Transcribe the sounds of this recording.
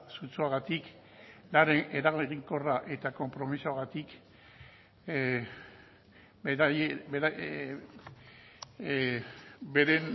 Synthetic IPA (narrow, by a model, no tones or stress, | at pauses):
sut͡suaɣat̪ik | laɾeneɾaɣoeɣiŋko̞raʔe̞t̪ako̞mpɾo̞misoaɣat̪ik | ebea | be̞ɾen